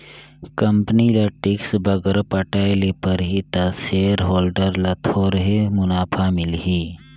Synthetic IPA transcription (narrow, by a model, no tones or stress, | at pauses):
kɐmpnilaʈɪksbɐɡəɾpɐʈaːelepɐɾɦit̪asejɾɦoːlɖəɾlɐt̪ʰoːɾɦemʊnaːpʰamɪlɦiː